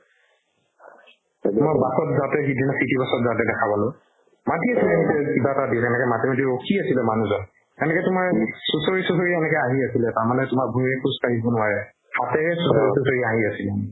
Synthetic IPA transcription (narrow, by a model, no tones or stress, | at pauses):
mɔbasɔtzatɛxidinasitibasɔtzatɛdɛkʰabalʊ̃ | matiasilɛmitɛkibatadiʊkɛnɛkɛmatimat̬iɹokʰiasilɛmanuzɔn | ɛnɛkɛtʊmaɹɛsusoɹisusoɹiɛnɛkɛaɦiasilɛtaɹmanɛtʊmak̚bʱumiɹɛkʰuspaɦibɔnʊwaɹɛ | hatɛɹɛsusoɹisusoɹiaɦiasilɛ